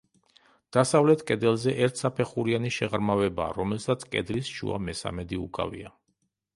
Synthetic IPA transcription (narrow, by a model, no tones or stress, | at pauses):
d̪̥asavlɛt̪ʰkʼɛd̪ɛlˠzɛʔɛɾt̪ʰsapʰɛχuɾianiʃɛʁɾmavɛbaːɾɔmɛlsat̪sʰkʼɛ̰d̪lisʃṵa̰mɛsa̰mɛd̪iukʼa̰vḭa